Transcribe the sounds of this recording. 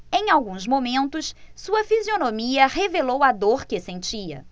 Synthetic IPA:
ẽj̃awɡũzmomẽnt̪ʊssuɐfizionomiɐɦevelowad̪oɾkɪsẽnt͡ʃiɐ̰

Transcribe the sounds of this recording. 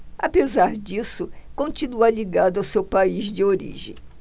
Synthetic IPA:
a̰pezaɾd͡ʒisʊkõnt͡ʃinuɐliɡad̪ʊɐwsewpaizd͡ʒɪoɾḭʒḛ̃j̃

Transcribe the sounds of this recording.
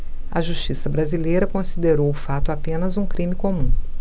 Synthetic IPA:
ɐ̰ʒuʃt͡ʃisɐbɾazilejɾɐkõsid̪eɾowʊfat̪ʊapẽnɐzũkɾĩmikomũ

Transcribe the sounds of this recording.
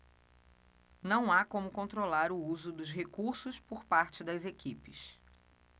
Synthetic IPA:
nɐ̃w̃akõmʊkõnt̪ɾolaɾʊuzʊd̪ʊzɦekuɾsʊspʊɾpaɾt͡ʃɪd̪ɐzekipɪs

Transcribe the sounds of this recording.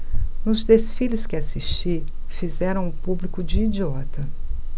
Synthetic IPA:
nʊzd̪esfilɪskɪasiʃt͡ʃi | fizɛɾɐ̃w̃ʊpublikʊd͡ʒiːd͡ʒiɔt̪ɐ

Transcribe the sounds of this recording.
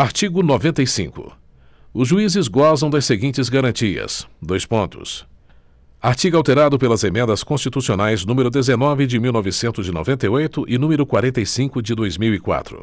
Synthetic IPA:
aɾt͡ʃiɡʊnovẽnt̪ɐjsḭ̃kʊ̰ | ʊzʒuizɪzɡɔzɐ̃w̃d̪ɐseɡĩnt͡ʃɪzɡaɾɐ̃nt͡ʃiɐ̰sd̪ojspõnt̪ʊ̰s | aɾt͡ʃiɡawt̪eɾad̪ʊpelɐzemẽnd̪ɐskõst͡ʃit̪usionajznũmeɾʊd̪ezenɔvɪd͡ʒɪmiwnɔvɪsẽnt̪ʊzɪno̰vẽnt̪ɐjojt̪ʊʔɪnũmeɾʊkwaɾẽnt̪ejsĩkʊd͡ʒɪd̪ojzmiwikwa̰t̪ɾʊ̰

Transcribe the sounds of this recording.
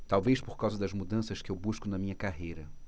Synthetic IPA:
t̪awvejspoɾkawzɐd̪ɐzmud̪ɐ̃sɐskɪewbuʃkʊnɐmĩɲɐkaɦejɾɐ

